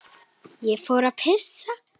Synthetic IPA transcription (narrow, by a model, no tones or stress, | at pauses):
jefoɾapʰesa